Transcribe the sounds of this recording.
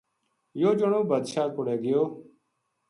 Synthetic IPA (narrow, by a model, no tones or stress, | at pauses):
joːd͡ʒʊɳõːbəd̪ʃaːkʊɽeːɡɪjoː